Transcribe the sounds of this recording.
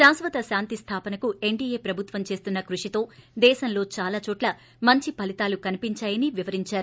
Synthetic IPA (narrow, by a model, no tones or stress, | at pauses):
ʃaːnsʋɐt̪ɐʃaːnt̪ist̪ʰaːpɐnɐkue̞ɳɖiːje̞ːpɾɐbʱut̪ʋɐmt͡ʃe̞ːst̪unːɐkɾuʂit̪o̞ːd̪ɛːʃɐnlo̞ːt͡ʃaːlaːt͡ʃoːʈlɐ | mɐɲt͡ʃipɐlit̪aːlukɐnipiɲt͡ʃaːjɐniʋiʋɐɾiɲt͡ʃaːɾu